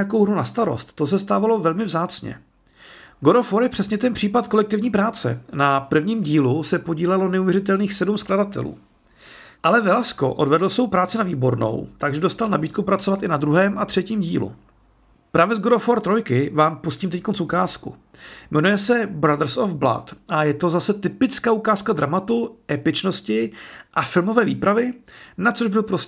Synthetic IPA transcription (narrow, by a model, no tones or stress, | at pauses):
ako̞wɦnunast̪aɾo̞̰st̪t̪ːo̞s̬ɛst̪aːvalo̞vɛlmɪvzaːt͡sɲɛ̰ | ɡoɾofoɾjɛpr̝̥ɛsɲɛt̪ɛnpr̝̥iːpat̪̚ko̞lɛk̚t̪ɪvɲiːpɾaːt͡sɛ̰napr̩vɲiːmɟiːlusɛpo̞ɟiːlɛlonɛuvjɛɾɪt̪ɛlniːxsɛdumskladat̪ɛ̰lṵː | ʔalɛvɛlasko̞̰ʔo̞dvɛdl̩svo̞wpɾaːt͡sɪnaviːbo̞ɾno̞̰wt̪aɡʒɛdo̞st̪alnabiːt̪̚kupɾat͡sovat̪ɪnad̪ɾuɦɛːmʔat̪r̥ɛciːmɟḭːlṵ | pɾavɛzɡoɾofoɾt̪ɾojkɪvaːmpusciːmt̪ɛc̚konsukaːskṵmɛnujɛsɛbɾad̪ɾ̩sofbla̰t̪ʔajɛt̪o̞zasɛt̪ɪpɪt͡skaːukaːskad̪ɾamat̪uʔɛpɪt͡ʃno̞scɪʔafɪlmo̞vɛːvḭːpɾavɪnat͡soʒbɪlpɾos